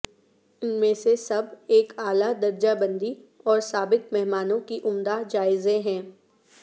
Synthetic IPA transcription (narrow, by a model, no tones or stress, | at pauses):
ʊnmẽsesɐbeːkaːlad̪ɐɾd͡ʒabɐ̃nd̪iɔːɾsaːbɪkmɛɦmaːnõkiʔʊmd̪ad͡ʒaːɪzẽɦɛ̃ː